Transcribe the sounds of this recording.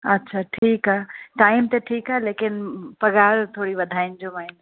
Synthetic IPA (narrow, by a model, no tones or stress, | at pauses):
ɐtːɕʰaʈʰiːkɦaɦʈaːɪmt̪eʈʰiːkaɦleːkɪnpɐɡaːɾt̪ʰoːɽiʋɐd̪ʱaːɪnd͡ʑomaːɪn